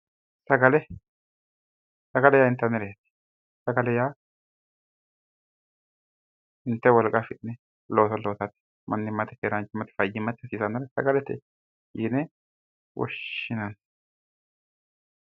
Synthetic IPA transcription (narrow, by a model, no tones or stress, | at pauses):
sɐɡɐlɛ | sɐɡɐlɛjaːɪnt̪ːɐnːɛɾɛɛt̪ːɪ̥ | sɐɡɐlɛjaː | ɪnt̪ːɛwɔlkʼafɪt̪nɛ | loːt̪ɐloːt̪ɐt̪ːɛ̥ | mʔɐ̰nːɪmːɐt̪ɛkeɾant͡ʃːɪmːɐt̪ɛ̥fɐjːɪmːɐt̪ːɛɐsiːsɐnːɐɾɐsɐ̰ɡɐlɛt̪ɛ̰ | jɪnɛ | wʔɔ̰ʃɪnɐn